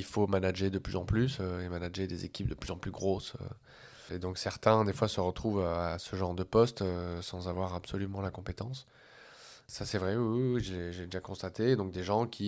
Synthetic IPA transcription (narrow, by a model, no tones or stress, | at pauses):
ilfomanaʒed̪əplyzɑ̃plysøemanaʒed̪ezekʲip̚d̪əplyzɑ̃plyɡʁosø̰ | ed̪ɔ̃ksɛʁt̪ɛ̃d̪efwasəʁət̪χuvøasəʒɑ̃ʁd̪əpɔst̪øsɑ̃zavwaʁabsɔlymɑ̃lakɔ̃pet̪ɑ̃sː | asɛvʁɛwiiʒəleʒəlɛd̪eʒakɔ̃st̪at̪ed̪ɔ̃k̚d̪eʒɑ̃kʲʰi